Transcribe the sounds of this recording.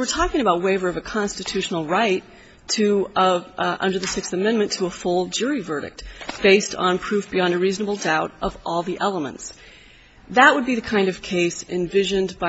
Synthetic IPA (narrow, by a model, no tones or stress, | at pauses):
wɨɹtʰɔkɪ̃ŋɨbaʊt̚weɪvə˞ʌvɨkʰɑ̃nstɨtʰʉʃn̩l̩ˠɹaɪtʰ | ɨ | ʔʌ̰̃ndə˞ðɨsɪksθɨmɛ̃nmɨ̃ntʰəəfʊlˠd͡ʒʊɹivɜ˞ɾɨ̰k̚t̚b̥eɪstn̩pʰɹ̥ʉfb̥iɑ̃ndɨɹiznəbl̩ˠdaʊɾʔʌvʔɔlˠðiʔɛlˠəmə̰̃nts | ðəʔ̚wəd̚biðɨkʰãɪ̃ndʌv̥kʰeɪsɨ̰̃nvɪʒɨ̃nba